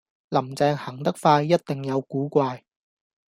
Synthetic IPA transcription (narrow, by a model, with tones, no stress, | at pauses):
lɐ˨˩mt͡sɛː˧ŋhɐ˨˩ŋt̪ɐ˥k̚faː˧jːɐ˥t̚t̪ɪ˨ŋjɐ˨˧wkuː˨˥kʷaː˧j